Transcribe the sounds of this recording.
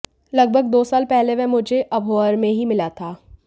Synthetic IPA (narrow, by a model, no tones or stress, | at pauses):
lɐɡ̚bʱəɡ̚d̪oːsaːlpɛɦleʋɛ̃mʊd͡ʒʱeʔɐbʱoəɾmẽɦimɪlat̪ʰaː